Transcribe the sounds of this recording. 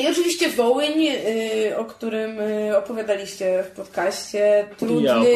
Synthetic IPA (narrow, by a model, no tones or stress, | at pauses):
iɔt͡ʂɨvʲiɕt͡ɕɛvɔwɲ | ɔkt̪uɾɘmɔpɔvʲjad̪alʲiɕt͡ɕɛfpɔt̪kaɕt͡ɕɛt̪ɾud̪nɘ